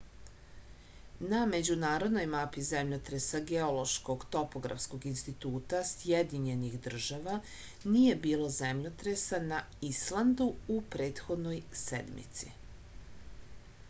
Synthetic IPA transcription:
name̞d͡ʑunaːɾo̞d̪no̞jmapize̞mʎot̪ɾesaɡeo̞lo̞ʃko̞ɡt̪o̞po̞ɡɾa̰fsko̞ɡinst̪it̪uːt̪asjed̪iɲe̞nixd̪r̩ʒaʋa | nije̞biːlo̞zemʎot̪ɾesana | islˠand̪uupɾe̞ːt̪xo̞d̪no̞jsḛd̪mḭt̪sḭ

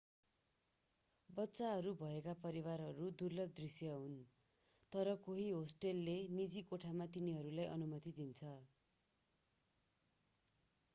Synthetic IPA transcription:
bʌtːsaɦʌɾubʱʌekapʌɾiwarɦʌɾud̪urlʌd̪risjʌɦun | t̪ʌɾʌkoɦiɦosʈelːenid͡zikoʈʰamat̪iniɦʌɾulajʔʌ̰numʌt̪id̪int͡sʰʌ

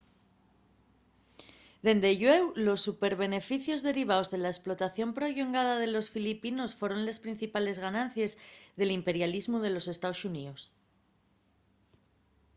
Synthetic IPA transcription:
d̪e̞nd̪e̞ʝwewlo̞sːupe̞ɾβ̞e̞ne̞fiθjo̞zðe̞ɾiβ̞aozðe̞laesplo̞t̪aθjo̞mpɾo̞ʎuŋɡað̞að̞e̞lo̞sfilipino̞sfwo̞ɾo̞nlespɾin̟θipale̞zɣanãnθje̞zðe̞limpe̞ɾjalizmuð̞e̞lo̞se̞st̪aosunios

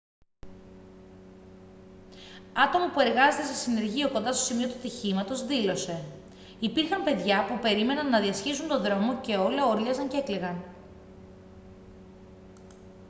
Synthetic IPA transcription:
ɐt̪o̞mɐpue̞ɾɣɐzet̪e̞sesine̞ɾʝioko̞nd̪ɐst̪o̞simio̞t̪ut̪içimɐt̪o̞zðilo̞se̞ | ipiɾxɐmpe̞ðʝɐpupe̞ɾime̞nɐnːɐðiɐscisunt̪o̞nðɾo̞mo̞ce̞o̞looɾʎɐzɐɲcekleɣɐn

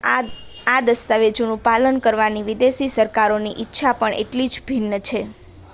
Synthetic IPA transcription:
ad̪əst̪aʋed͡ʒonũpalənkəɾʋaniʋid̪esisəɾkaɾoniʔitːʃʰapəɳḛʈlid͡ʒbʱinːət͡ʃʰe

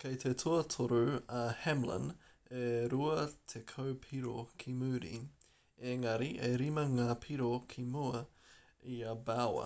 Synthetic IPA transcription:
kʰɐjt̪ʰet̪ʰuɐt̪ʰoɾuɐhɛmlə̰neɾuɐt̪ʰekʰɐwpʰiɾokʰimʉːɾḭ | eŋɐɾiʔeɾimɐŋaːpʰiɾokʰimuɐ | iɐbawɐ̰

